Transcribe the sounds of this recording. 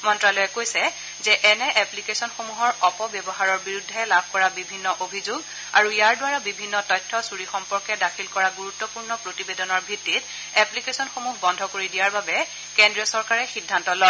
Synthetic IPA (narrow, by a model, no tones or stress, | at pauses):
mɔntɹalɔjɛkojsɛ | zɛʔɛnɛʔɛplikesɔnxomuɦɔɹɔpɔbjɔbɔɦaɹɔɹbiɹudʱːɛlabʱkɔɹabibʱinːɔʔobʱizuɡ | a̰ɹujaɹdʊwaɹabibʱinːɔtɔjtʰːɔsuɹixɔmpɔɹkɛdakʰilkɔɹaɡuɹutːɔpuɹnɔpɹotibedɔnɔɹbʱitːit | ɛplikesɔnxomuxbɔndʱɔkoɹidijaɹbabɛ | kendɹiɔsɔɹkaɹɛxidʱːantɔlɔ